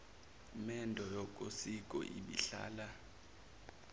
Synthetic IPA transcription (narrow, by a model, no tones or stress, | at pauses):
mɛndʱɔjɔk̬ʼosik̬ʼɔ̰ʔḭɓḭɬa̰ːla